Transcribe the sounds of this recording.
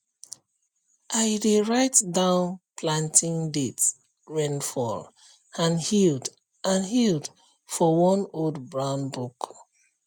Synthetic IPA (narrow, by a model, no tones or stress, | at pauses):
ʔaɪdeɹaɪtdãʊ̃npʰlãntĩŋdet | ɹɛ̃nfɔ̰l | ãnhild | ãnhild | fɔwɔ̃noldbɹãʊ̃nbuk